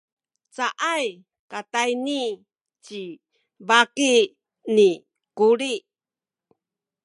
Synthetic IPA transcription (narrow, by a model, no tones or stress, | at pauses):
t͡saʔaj | katajni | t͡ɕi | baki | ni | kuɾi